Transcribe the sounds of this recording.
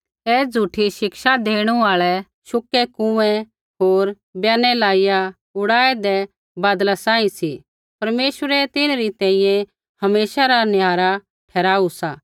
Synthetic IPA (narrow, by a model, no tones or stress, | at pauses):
ɛːd͡zʱuːʈʰiʃɪkʃad̪eːɽ̃uaːɭɛ | ʃʊkːɛkũɛ̃ | ɦoːɾ | bjaːnɛlaːija | ʊɽaːɛd̪ɛ | baːd̪lasãːĩsi | pɐɾmeːʃwəɾɛt̪ɪnɾit̪ɛ̃ːĩjɛ̃ | hɐmeːsaɾanjaːɾa | ʈʰɛːɾaːusaː